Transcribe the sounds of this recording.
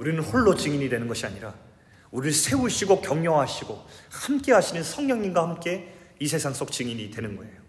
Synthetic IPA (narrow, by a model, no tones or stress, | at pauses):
uɾinɯnɸoɭːot͡ɕɯŋiɲidwe̞nɯnɡʌɕʰiaɲiɾa | uɾiɯɭsʰe̞uɕʰiɡokjʌŋjoɦaɕʰiɡohamk͈eɦaɕʰinɯnsʰʌŋɲʌŋɲinɡwahamk͈e̞ | isʰe̞sʰaŋs͈ok̚t͡ɕɯŋiɲidwe̞nɯnɡʌe̞̰jo